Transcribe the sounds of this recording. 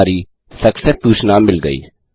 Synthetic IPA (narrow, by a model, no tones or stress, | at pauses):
ɾiː | səksɛsd̪uːʃnaːmɪlɡəḭː